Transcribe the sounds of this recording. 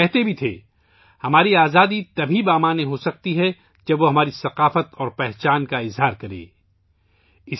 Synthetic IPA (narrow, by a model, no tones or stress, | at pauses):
ɛɦt̪ebʱit̪ʰḛː | hɐmaːɾiaːzaːd̪it̪ɐbʱibaːmaːnẽɦosɐk̚t̪iɦɛ | d͡ʒɐbʋoɦɐmaːɾisɐqaːfət̪ɔːɾpɛɦt͡ʃaːnkaɪzɦaːɾkɐɾḛː | ɪ